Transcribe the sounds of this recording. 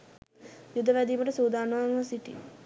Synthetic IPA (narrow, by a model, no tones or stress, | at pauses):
jud̪əʋæd̪iːməʈəsuːd̪aːnəʋaŋasiʈḭ